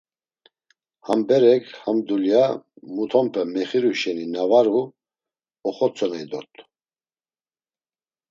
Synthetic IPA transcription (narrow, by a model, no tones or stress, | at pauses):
hambɛɾɛkʰhamd̪uljamut̪ʰɔmpʰɛmɛχiɾuʃɛninavaɾu | ɔχɔt͡sʰɔnaid̪ɔɾt̪ʰʼ